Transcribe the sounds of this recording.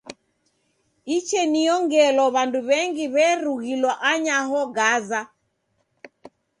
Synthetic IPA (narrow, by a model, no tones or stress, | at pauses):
it͡ʃɛnijɔŋɡɛlɔβanduβɛŋɡiβɛɾuɣilwaʔaɲaɦɔɡaza